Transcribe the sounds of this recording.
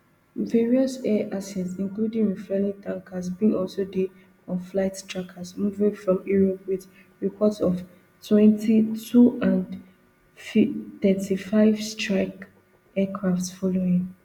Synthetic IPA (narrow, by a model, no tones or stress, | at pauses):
vɛɹiɔsɛʔasɛtsĩnkludĩnɹifɛlĩŋtãŋkʰasbĩŋɔlsode | ɔ̃nflaɪttɹakʰasmuvĩŋfɹɔ̃miɹowið | ɹipʰɔtsɔv | tʰwɛ̃ntʰitʰuãn | fθɛtʰifaɪvstɹak | ɛkʰɹaftsfɔloĩŋ